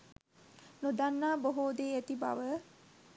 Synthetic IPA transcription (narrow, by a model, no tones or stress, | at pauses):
nod̪anːaːboɦoːd̪eːæt̪iba̰ʋə